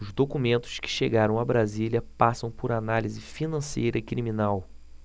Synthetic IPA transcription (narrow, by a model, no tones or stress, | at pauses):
ʊzd̪okumẽnt̪ʊ̥ʃkɪ̥ʃeɡaɾɐ̃w̃abɾaziliɐpasɐ̃w̃pʊɾanalizɪfinɐ̃sejɾɐɪkɾiminaw